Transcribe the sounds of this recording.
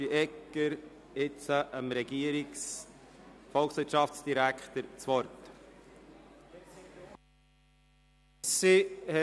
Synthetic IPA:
iʔɛkəɾ | ɪt͡səʔəmɾɛɡ̥iəɾiks | fɔlksvɪɾtt͡ʃɑft͡sd̥iɾækʰtəɾt͡svɔɾt | sihɛ

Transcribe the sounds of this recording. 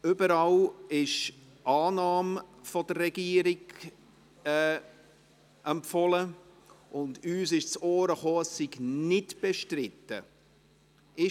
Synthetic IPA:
ʏbəɾɑlɪʃ | ʔɑːnɑːmfɔdərːɛɡ̥iːəɾɪɡ̥ | ɛː | ʔɛmpfɔlə | ʊndyːsɪʃt͡soːɾəχoːəsːiɡnɪtb̥ɛʃtrɪtə̰ | ɪ

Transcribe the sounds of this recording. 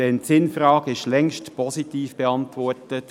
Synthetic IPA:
ɛntt͡sɪnfɾɑːɡɪʃlɛŋʃtpʰɔsitiːfb̥eɑntʋɔrtət

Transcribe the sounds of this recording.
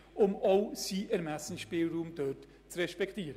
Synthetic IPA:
ʔʊmoʊsiːʔɛɾmæsn̩ʃpiːlruːmdœt | t͡srɛʃpɛktiːɾə

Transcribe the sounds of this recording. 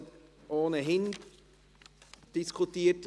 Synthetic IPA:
ʔoːnəɦɪn | d̥ɪskʰʊtiːt

